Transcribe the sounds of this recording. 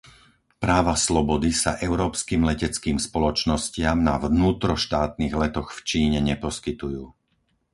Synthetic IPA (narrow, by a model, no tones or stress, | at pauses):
pɾaːʋaslɔbɔd̪isa̰ʔɛʊɾɔːpskiːmlɛcɛt͡skiːmspɔlɔt͡ʃnɔscɪamnaʋnuːt̪ɾɔʃt̪aːt̪̚niːɣlɛt̪ɔxft͡ʃiːɲɛɲɛpɔskit̪ujuː